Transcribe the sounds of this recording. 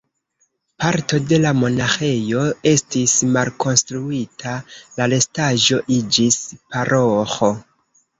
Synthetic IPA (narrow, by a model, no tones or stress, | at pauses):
paɾto̞de̞lamo̞naxe̞jo̞e̞stismalko̞nstɾuitʰalale̞staʒo̞ʔid͡ʒispaɾʔoxo